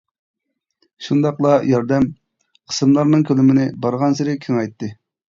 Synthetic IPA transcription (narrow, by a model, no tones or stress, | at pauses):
ʃund̪ɑqlˠɑjɑɾd̪ɛm | qʰə̥sɨmlˠɑɾnɨŋkʲʰølymɪnɪbɑɾʁɑnsɨɾɪkʲʰyŋɑjt̪ːɨ